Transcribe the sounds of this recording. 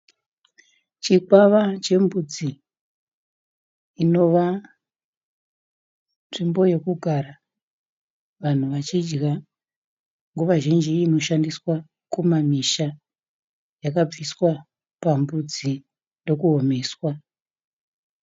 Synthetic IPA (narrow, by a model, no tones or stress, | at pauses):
t͡ʃikwaʋat͡ʃe̞mbud͡zi | no̞ʋa | nʐimbo̞je̞kuɡʱaɾa | ʋan̤uʋat͡ʃid͡ʒɡa | ŋɡuʋaʒind͡ʒiːno̞ʃandiswa | kumamiʃa | jakab͡viswa | pambud͡zi | ndo̞kuɦo̞me̞ːswa